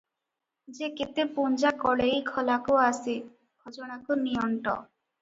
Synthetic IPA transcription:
d͡ʒekit̪epund͡ʒakɔɽejkʰɔlakuasi | ɡʱod͡ʒoɽ̃akuniɔɳʈɔ̰

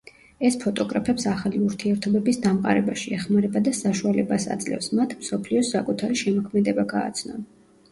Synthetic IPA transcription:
ɛspʰɔt̪ʼɔɡɾapʰɛpsaχaliuɾt̪ʰiɛɾt̪ʰɔbɛbisd̪amqʼa̰ɾɛbaʃiɛχmaɾɛbad̪asaʃualɛbasa̰d̪zʼlɛ̰fsmat̪ʰmsɔpʰliɔsakʼut̪ʰaɾiʃɛmɔkʰmɛd̪ɛbaɡa̰ːt̪sʰnɔ̰n

